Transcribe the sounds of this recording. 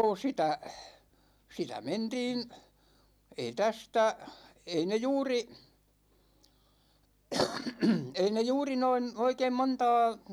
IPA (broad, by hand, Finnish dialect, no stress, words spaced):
sitæ sitæ mentiːn ei tæstæ ei ne juːri ei ne juːri noin oikeim montɑː